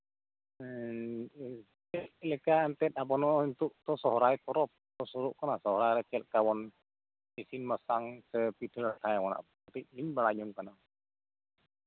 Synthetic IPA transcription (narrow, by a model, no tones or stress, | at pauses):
t͡ʃɛt̪lɛkaːnt̪ɛt̪̚apɔnɔint̪uʔt̪ɔsɔɦɾajp̪ɔɾɔp̚t̪ɔsuɾuʔkanasɔɦɔɾajɾɛt͡ʃɛt̪̚kawɔn | isinmasaŋsəpit̪ʰəɾat̪ʰajwɔna̰ʔ | at̪iʔ̚liɲbalad͡ʒuŋkana